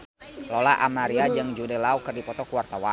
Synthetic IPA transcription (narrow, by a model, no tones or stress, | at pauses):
lɔlaʔamaɾiad͡ʒɨŋd͡ʒudɛlaukərdipɔt̪ɔkuwart̪awa